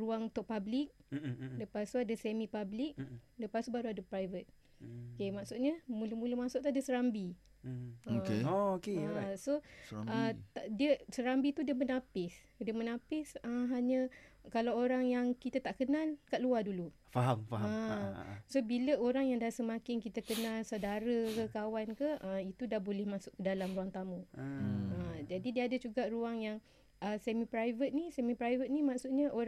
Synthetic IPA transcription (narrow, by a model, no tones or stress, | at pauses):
ɾuaŋut̪ʊʔ̚pablik̚dəpasuadəsɛmipablik̚dəpasubaɾuadəpɾajvət̪̚ | okemaksuʔ̪̚ɲəmuləmuləmasʊʔ̚t̪uadəsəɾambi | okeookesoət̪aʔdiəsəɾambit̪udiəmənapɪs | diəmənãpɪsəɦaɲəkalawoɾaŋjaŋkit̪at̪aʔkənalkaʔ̚luadulu | faɦamfə | sobiləoɾaŋjaŋdasəmãkɪnkit̪akənãlsadaɾəkəkawankəʔəit̪udahbolɪhmasʊʔkədalamɾuaŋt̪amũ | əd͡ʒadidiəadəd͡ʒuɡaʔruaŋjaŋ | ʔəsɛmipɾajvət̪̚nisɛmipɾajvət̪̚nimaʔsuʔɲəʔo